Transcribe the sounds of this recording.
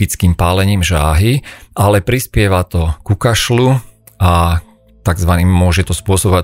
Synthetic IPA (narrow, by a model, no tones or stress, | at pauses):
it͡skiːmpaːlɛɲiːmʒaːɦiʔalɛpɾispɪɛʋat̪ɔkukaʃlu | a | t̪aɡzʋaniːmːʊɔʒɛt̪ɔspʊɔsɔbɔʋa